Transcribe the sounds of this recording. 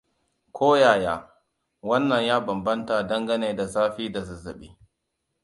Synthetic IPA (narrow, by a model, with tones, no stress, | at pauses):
kʷʰoː˦jaː˨jaː˦ | wɐ˦nːɐ˨ɲjaː˦bɐ˨mbɐ˦nta˨dɐ˦ŋɡɐ˦neː˨da˨saː˦ɸiː˦da˨su˦zɐ˨ɓḭː˦